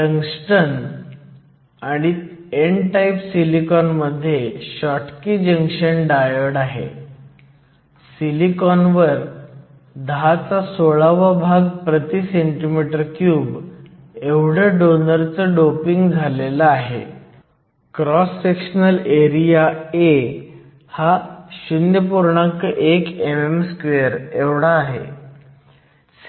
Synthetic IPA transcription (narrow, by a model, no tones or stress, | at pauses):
ɖəŋsʈən | aɽ̃ieɳʈajpsilikɔnməd̪ʱːjeɕɔʈkiːd͡ʑəŋkʂəɳɖajəɽaɦḛ | silikɔnʋəɾ | d̪ɦat͡sasoɭaʋabʱaɡpɾət̪iːseɳʈimiʈəɾkjuːb | eʋɽ̤əɖonəɾt͡səɖopiŋɡd͡zʱalelaːɦḛ | kɾɔsːekɕnəleɾijae | haɕunjəpuɾɳakəʔekememskʋeəɾeʋɽaːɦḛ